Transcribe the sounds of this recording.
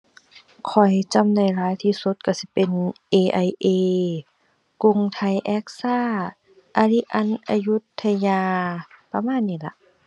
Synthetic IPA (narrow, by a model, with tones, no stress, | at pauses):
kʰɔ˨˩jt͡ɕa˧˥mna˧˩jlaː˨˦jt̪ʰiː˧˩so˧˦t̪̚kʰa˧˩si˧˦pe˨nʔeː˧ʔa˧jʔeː˧ | ku˧˨ŋt̪ʰa˧˩jʔɛ˦˥k̚saː˧˥˩ | ʔa˧li˧ʔa˧˥˨nʔa˧ju˧˦˥t̪ʰːa˧jaː˧pa˧maː˧˥˨nːiː˧˩la˧ʔ